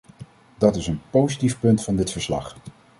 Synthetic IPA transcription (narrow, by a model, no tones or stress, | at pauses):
dɑtɪsənpowzitifpɵntfɑndɪtfəɹslɑ̰χ